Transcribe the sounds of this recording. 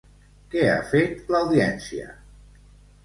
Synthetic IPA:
kɛa̰fet̪lawðiɛnsiə̰

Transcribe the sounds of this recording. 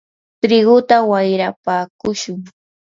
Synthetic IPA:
t̪ɾɪɢʊt̪awajɾapaːkʊʃʊŋ

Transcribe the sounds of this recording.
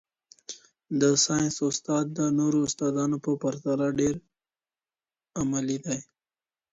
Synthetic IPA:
d̪əsɑjnsʊst̪ɑd̪̚ːənoɾoʊst̪ɑd̪ɑnopəpaɾt̪aɾaɖeɾ | amalid̪aj

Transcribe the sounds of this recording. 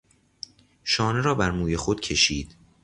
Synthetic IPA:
ʃɒːne̞ɾɒːbæɾmuːje̞xod̪̥cʰe̞ʃiːd̪̥

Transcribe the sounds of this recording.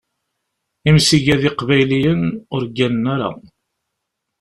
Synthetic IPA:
imsiʝæðɪqvæjlijənʊɾɡːænnaɾa̰

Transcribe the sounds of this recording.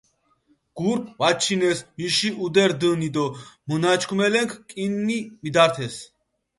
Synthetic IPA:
ɡ̥uɾp̚ʼvat͡ʃʰinɛsmiʃiʔud̪ɛɾd̪ənid̪ɔmənat͡ʃʰkʰumɛlɛŋkʰkʼinːimid̪aɾt̪ʰɛs

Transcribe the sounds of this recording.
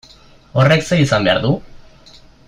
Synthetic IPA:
o̞re̞kseisambe̞a̰ɾðu

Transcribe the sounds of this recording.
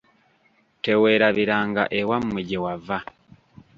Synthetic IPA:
tewe̞ːɾaβiɾaːŋɡa̰ʔewammiɟewava

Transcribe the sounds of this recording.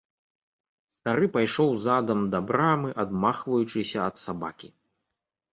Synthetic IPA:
st̪aɾɨpajʂɔwzad̪ɐmd̪ɐbɾamɨʔad̪maxvɐjut͡ʂɨsʲɐɐt̪saba̰kʲi

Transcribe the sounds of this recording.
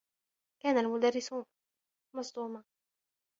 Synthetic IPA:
kaːnalmʊd̪arːɪsu | mɑsˤt̪ˤuːma

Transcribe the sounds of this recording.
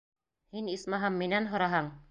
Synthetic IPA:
hinismɑɦɑmːinænɦŏɾɑɦɑɴ

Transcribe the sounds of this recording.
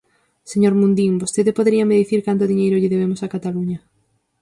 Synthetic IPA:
seɲoɾmũnd̪iŋbost̪eðɪpoðeɾiɐmeðiθiɾkant̪ʊðiɲejɾʊʎɪðeβemʊsakat̪aluɲɐ

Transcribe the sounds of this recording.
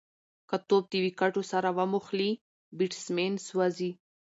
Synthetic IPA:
kat̪ob̚d̪iwikaʈosaɾawamuxli | biʈsmenswazi

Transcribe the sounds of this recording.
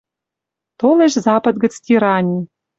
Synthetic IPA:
t̪oleʃzɑpə̆t̪ɡə̆t͡st̪ʲiɾɑnʲi

